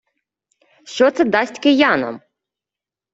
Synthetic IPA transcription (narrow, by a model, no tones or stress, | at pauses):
ʃt͡ʃɔt̪sɛd̪ɑsʲtʲkɪjɑnɔ̰m